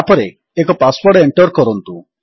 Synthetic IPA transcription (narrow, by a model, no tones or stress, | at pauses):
apɔɾe | ekɔpaspɔɾʈeɳʈɔɾkɔɾɔnt̪u